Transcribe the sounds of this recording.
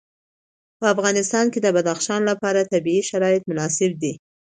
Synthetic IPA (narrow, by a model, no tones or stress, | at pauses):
pəafɣɑnɪst̪ɑnked̪əbad̪axʃɑnlapɑɾat̪abiiʃaɾɑɪt̪̚mʊnɑsɪb̚d̪i